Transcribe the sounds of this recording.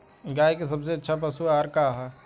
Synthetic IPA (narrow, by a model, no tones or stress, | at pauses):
ɡaːjkes̬ɐbseɐtːʃʰapɐsuaːɾkaːɦa